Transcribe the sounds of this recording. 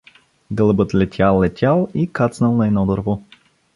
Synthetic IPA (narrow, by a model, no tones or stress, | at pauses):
ɡɤlˠəbɤt̪lɛt̪ʲʰjalˠːɛt̪ʲʰalˠikat̪snəlˠnɐɛnɔd̪əɾvɔ